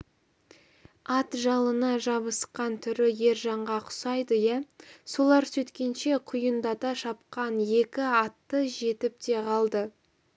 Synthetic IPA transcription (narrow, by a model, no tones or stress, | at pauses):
ɑt̪ʒɑlˠənɑʒɑβəsqɑnt̪ʰʏɾɪje̞ɾʒɑɴʁɑqʰʊ̥sɑjd̪əjæso̞lˠɑɾsɵt̪kʲe̞nʃe̞qʰʊjənd̪ɑt̪ɑʃɑp̚qɑnje̞kʲɪɑt̪ːəʒe̞t̪ɪp̚t̪e̞ʁʰɑlˠd̪ə